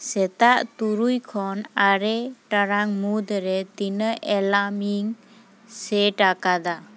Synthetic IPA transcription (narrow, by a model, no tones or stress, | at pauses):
sɛt̪aʔt̪uɾujkʰɔnaɾeʈaɾaŋmud̪əɾet̪inəʔelamiŋ | seʈakad̪a